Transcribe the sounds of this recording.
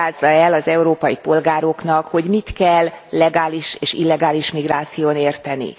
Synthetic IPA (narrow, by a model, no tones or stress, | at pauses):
aːzːɒɛlɒzɛuɾoːpɒjipo̞lɡaːɾo̞kn̪ɒkho̞ɟmit̪kɛlːɛɡaːliʃeːʃilːɛɡaːliʃmiɡraːt̪sijoːneːrt̪ɛnḭ